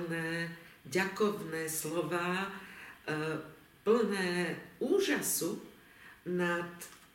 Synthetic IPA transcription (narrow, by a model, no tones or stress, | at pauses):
nɛːɟakɔʋnɛːslɔʋaː | pl̩nɛːuːʒasu | nat̪